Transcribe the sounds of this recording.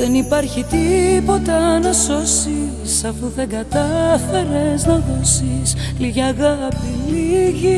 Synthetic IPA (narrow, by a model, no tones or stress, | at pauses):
ðenipɐɾçit̪ipo̞t̪ɐnɐso̞si | sɐfuðe̞ŋɡɐt̪ɐθe̞ɾeznɐðolsisliʝiɐɣɐpiliʝi